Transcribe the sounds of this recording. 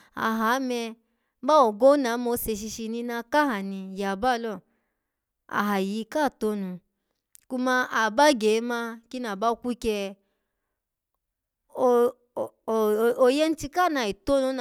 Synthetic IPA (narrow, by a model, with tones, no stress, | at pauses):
a̰˨ɦa˨˦mɛ˧˦ | ba˦wɔ˨ɡo˦na˨˦mo˧˦se˧ʃ̬i˧ʃi˧nĩ˧na˧ka˦ɦa˨nĩ˧ja˨ba˦˧lɔ˦˨ | a̰˨ɦa˨ji˨˦ka˦˨to˦nũ˧ | ku˧mã˧ʔa˨ba˦ɡe˨˦mã˧ki˦na˨ba˦o˧kʷu˦kɛ˧ | o˧˨ | o˧jɛ˦n̩˦ti˧ka˦˨na˧˨i˨to˦nu˧˦n˨